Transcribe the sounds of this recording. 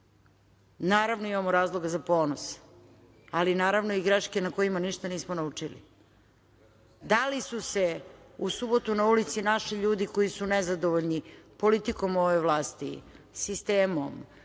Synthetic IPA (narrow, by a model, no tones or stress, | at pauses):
naːɾaʋnoimamoɾaːzlˠo̞ɡazapo̞ːnos | alinaːɾaʋno̞iɡɾeʃkenako̞imaniʃt̪aniːsmonaut͡ʂilḭ | d̪alisuseusubo̞t̪unaulit̪sinaʃiʎuːd̪iko̞isunezad̪oʋoʎnipo̞lit̪iko̞moʋeʋlˠaːst̪ḭ | sist̪eːmo̰m